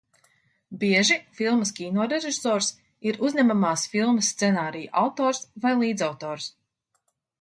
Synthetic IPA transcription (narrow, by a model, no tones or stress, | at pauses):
biɛʒifilˠmɐskʲiːnɔːɾeʒiisɔːɾs | iɾuzɲʲamamaːsfilˠməsːt̪sɛnaːɾijṵʔawt̪ɔːɾsvajlˠiːd̪zawt̪ɔːɾs